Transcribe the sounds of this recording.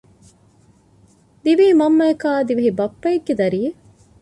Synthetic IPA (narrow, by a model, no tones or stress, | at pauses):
d̪iʋiːmɐmːɐɐkaːd̪iʋɐɦibɐpːɐjeɡːed̪ɐɾiːe